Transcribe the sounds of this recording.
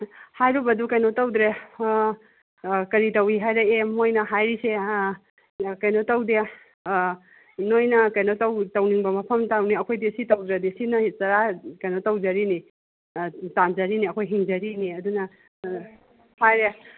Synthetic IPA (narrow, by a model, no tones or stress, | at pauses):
hajɾubɐdukɐjnotɐwd̪ɾe | kɐɾitɐwiɦajɾeemmojnɐɦajɾise | kɐjnotɐwde | nojnɐkɐjnotɐwtɐwniŋbɐmɐpʰɐmtawniɐkʰojdesitɐwd̪ɾɐdesinɐt͡ʃɐɾakɐjnotɐwd͡ʒɐɾini | tand͡ʒɐɾiniɐkʰojɦiŋd͡ʒɐɾiniɐdunɐ | hajɾe